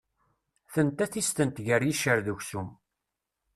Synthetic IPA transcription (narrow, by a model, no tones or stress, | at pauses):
θənt̪æθist̪ənt̪ʝəɾjiʃəɾðuçsum